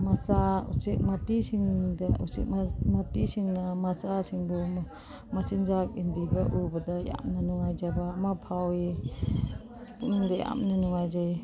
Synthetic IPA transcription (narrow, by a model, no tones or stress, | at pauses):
mɐsaṵsik̚mɐpisiŋdausḭk̚mɐpisiŋnɐmasasiŋbu | mɐsinzak̚inbiɡɐʔubɐdɐja̰mnɐnuŋajd͡ʒabaːmɐpʰawi | punndɐja̰mnɐnuŋajzaj